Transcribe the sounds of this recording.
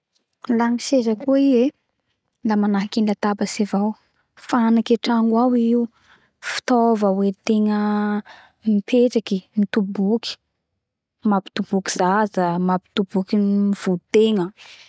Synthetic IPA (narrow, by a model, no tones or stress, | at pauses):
laŋiʃezəkuie | lamanaɦkinlat̪abəsevaw | fanakeʈ͡ʂaŋɡwawiiwu | fi̥t̪ovəwet̪eŋə | mipʰeʈ͡ʂakimit̪ubuki̥ | mapi̥t̪ub̥uki̥zazəmapi̥t̪ub̥ukinmiv̥ut̪eŋə